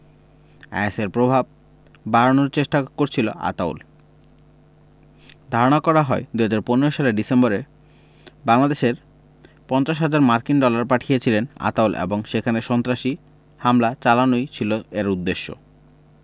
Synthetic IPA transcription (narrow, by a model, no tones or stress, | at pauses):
ɛ̰seɾpɾobʱab̚ː | aɾonoɾt͡ɕeʃʈakoɾt͡ɕʰilo̰ʔa̰t̪aw̰l | d̪ʱaɾonakɔɾaɦɔed̪uɦad͡ʑaɾponeɾoʃaleɖisembɔɾe | baŋlad̪eʃeɾ | pɔnt͡ɕaʃ̬ɦad͡ʑaɾmaɾkinɖɔlaɾpaʈʰijet͡ɕʰilena̰t̪awlʔḛboŋʃekʰaneʃɔnt̪ɾaʃi | hamlat͡ɕalanojt͡ɕʰiloeɾud̪ːeʃːo̰